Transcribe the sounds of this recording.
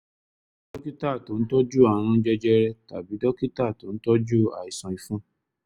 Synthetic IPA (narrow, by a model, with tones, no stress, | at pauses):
d̥ɔ˦ki˦ta˦˨to˨ñ̩˦tɔ˦d͡ʒu˦a˨ɾ̃ũ˦d͡ʒɛ˦d͡ʒɛ˦ɾɛ˦ta˨bi˨˦dɔ˦ki˦ta˦˨to˨˦n̩˦tɔ˦d͡ʒu˦a̰˨i˨sɔ̃˧i˧fũ˦